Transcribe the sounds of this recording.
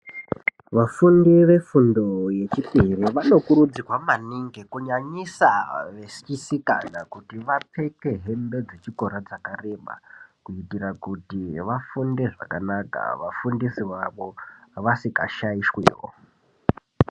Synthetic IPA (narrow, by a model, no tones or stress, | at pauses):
ʋafundiʋe̞fundo̞je̞t͡ʃipiriʋano̞kuɾud͡zikwamaniŋɡekuɲaɲisaʋe̞si̥isika̰nakutiʋapʰe̞ke̞ɦe̞mbe̞d͡zet͡ʃiko̞ɾad͡zakare̞ɓa̰kuitirakutiʋafunde̞ʐa̰kanaka̰ʋafundisiʋaʋo̞ʋasikaʃaiʃwḭːwo̰